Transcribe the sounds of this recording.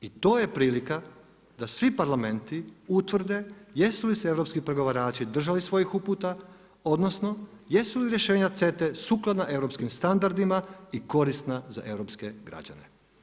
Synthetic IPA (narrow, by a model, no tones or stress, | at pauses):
it̪o̞ːje̞pɾiːlika | d̪asʋipaɾlame̞nt̪iut̪ʋr̩d̪e̞je̞suliseeʋɾopskipɾeɡo̞ʋaɾaːt͡ʃid̪r̩ʒalisʋo̞jixupuːt̪a | o̞d̪no̞sno̞ | je̞suliɾje̞ʃe̞ːɲat̪se̞t̪e̞suklˠad̪naʔe̞ʋɾo̞pskimst̪and̪aɾd̪imaiko̞ɾisnaza̰ʔe̞ʋɾo̞pske̞ɡɾa̰d͡ʑa̰ne